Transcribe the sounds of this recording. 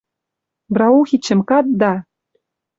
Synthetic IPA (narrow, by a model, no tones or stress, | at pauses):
brɑuxit͡ɕːɘ̆mkɑt̪̚d̪ɑ